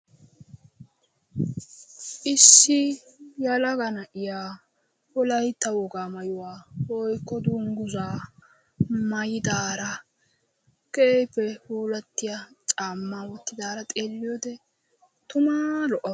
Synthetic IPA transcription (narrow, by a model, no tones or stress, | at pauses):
ʔɪsːɪ | jɐlɐɡɐnɐʔɪjaː | wɔlɐjt̪ːɐwɔɡaːmɐjʊwaːwɔjkːɔd̪uːŋɡʊzaː | mɐjɪd̪aːɾɐ | kepːɛhuːlɐt̪ːɪjat͡ʃʼaːmːawɔt̪ːɪd̪aːɾɐt̪ʼeːlːɪjɔd̪ɛ | t̪ʊmaːlɔʔɐ